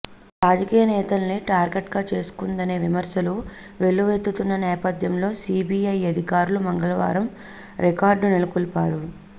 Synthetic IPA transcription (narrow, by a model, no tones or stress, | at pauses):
ɾaːd͡ʒɐkiːjɐnɛːt̪ɐlɐniʈaːɾɡe̞ʈɡaːt͡ʃe̞ːsu̥kund̪ɐne̞ːʋimɐɾsɐlu | ʋe̞ɭːuʋet̪ːut̪unːɐnɛːpɐd̪ʱjɐmlo̞ːsiːbiːɐjɐd̪ʱikaːɾulumɐŋɡɐlɐʋa̰ːɾɐm | ɾekaːɾɖunelukulpaːɾu